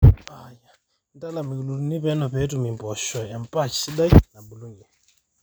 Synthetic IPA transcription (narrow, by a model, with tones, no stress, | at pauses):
aja˨ | nda˦la˨mi˨u˨lu˨ɾuni˦βɛ˦nɔ˨pɛ˦tumimpɔ˨ʃɔ˨ɛ˨mpa˦t͡ʃi̥si˦ɗa˦ina˨ɓu˨lu˦ɲɛ˨